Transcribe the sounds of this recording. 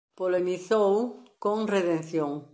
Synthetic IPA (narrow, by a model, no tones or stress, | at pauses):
polemiθowkõŋreðẽn̟θjõŋ